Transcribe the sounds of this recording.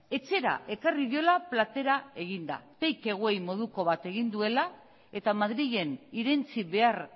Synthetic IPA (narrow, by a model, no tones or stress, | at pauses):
e̞t͡se̞ɾa̰ʔe̞kariðio̞laplat̪e̞ɾae̞ɣ̞ind̪a̰t̪e̞jke̞ɣ̞oejmo̞ð̞uko̞βat̪e̞ɣ̞ind̪ue̞la | e̞t̪amaðɾiʝe̞niɾe̞nt͡siβe̞ar